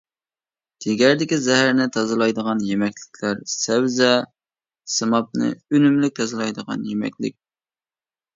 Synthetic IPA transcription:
d̪̥ɪɡʲæɾd̪ɪkʲizɛɦæɾnɪt̪ʰɑzɨlˠɑjd̪əʁɑnjemɛkʲlɪkʲʰlæɾsɛwzɛ | sɨmɑp̚nɨ̰ynymlyk̚ʲt̪ʰɑzɨlˠɑjd̪əʁɑ̰njemɛ̰kʲlɪ̰k̚ʲ

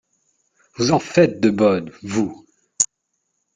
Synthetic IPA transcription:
vuzɑ̃fɛt̪̚d̪əbɔd̪vu

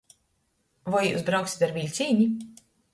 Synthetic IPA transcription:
vɔjjṵːsbɾawksi̥t̪aɾvilʲt̪sʲiːɲi

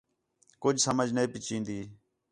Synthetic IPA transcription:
kʊd͡ʒsəməd͡ʒnəeːpɪt͡ʃĩːnd̪iː

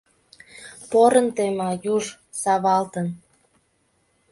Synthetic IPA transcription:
poɾənt̪emɑjuʒ | sɑβɑlt̪ən

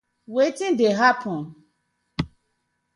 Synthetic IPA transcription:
wetĩndeɦapʰɔ̃n

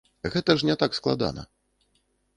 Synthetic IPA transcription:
ɣɛt̪ɐʐnʲɛt̪aksklˠad̪a̰nɐ̰

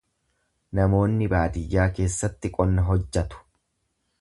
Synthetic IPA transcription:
nɐmo̞ːnːɪbaːt̪ɪjːaːke̞ːsːɐt̪ːɪkʼɔnːɐɦɔd͡ʒːɐt̪ʊ̥

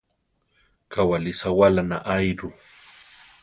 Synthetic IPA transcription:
kawalɪsawalana̰ʔajɾʊ

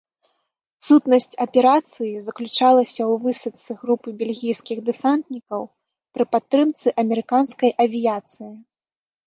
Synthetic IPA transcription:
sut̪nɐsʲt͡sʲɐpʲɛɾat̪sɨjizɐklʲut͡ʂalˠɐsʲɐwvɨsɐt̪sɨɣɾupɨbʲelʲɣʲijskʲiɣd̪ɨsant̪nʲikɐw | pɾɨpat̪ːɾɨmt̪sɨʔɐmʲɛɾɨkanskɐjʔɐvʲijat̪sɨji

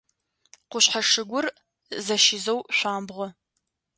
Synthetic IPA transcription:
qʷʊɕħaʂɨɡʷʊr | zɐʃɪzɐwɕʷaːmbʁʷɔ

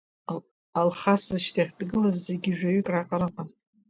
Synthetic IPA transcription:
alχaszɨʃtʰaχʲdɡɨlazzeɡʲiʒᶣaɥykʼraqʼaɾɨqʼan

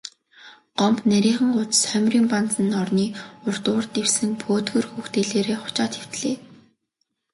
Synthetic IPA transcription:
ɢ̥ɔmpnæɾʲiːχə̆ŋʊt͡sə̥̆sχœmʲriːmpant͡sə̆nɔrniːʊr̥t̪ʊːrt̪ewsɘ̆npʰoːt̪ɡɵ̆rxuːxt̪eɮeːɾeːχʊ̥t͡ɕaːt̪xew̥t̪ɮeː

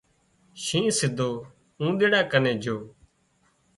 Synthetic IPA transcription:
ʃĩːsɪd̪ʱoː | ũːɗ̪eːɽaːkənẽːd͡ʒʱoː

